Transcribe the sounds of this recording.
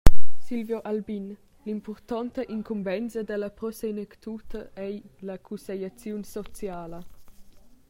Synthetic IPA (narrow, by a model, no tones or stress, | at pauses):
silvjoʔalbin | limpɔrt̪ɔnt̪əʔiŋkʰumbɛnt͡sɐd̪əlɐpɾɔsenəkt̪ut̪ʰəʔɛjlakʰusejat͡sjunsɔt͡sjaːlɐ